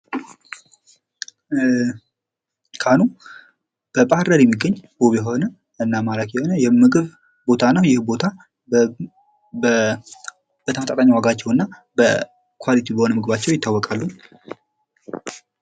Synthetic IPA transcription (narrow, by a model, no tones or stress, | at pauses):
kʰanu | b̥əpʼahɾəɾjɛmːiɡːəɲːboβjɛɦo̞nə | ɨnːamalakjɛho̞nəjɛmɨɡɨβ | bo̞t̪ʰanːəwjɪhbo̞t̪ʰa | ə | b̥ət̪ʰəmət̪at̪ʼaɲːawaɡat͡ʃːɛwɨnːabə | kʰwalit̪ʰibəho̞nəmɨɡɨβat͡ʃːɛwjɪt̪ʰːawːɔkʼalːu